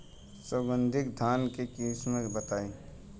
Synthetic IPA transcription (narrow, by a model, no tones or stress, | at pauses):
səbə̃nd̪ʱɪk̚d̪ʱaːnkekiːsmẽbət̪aːi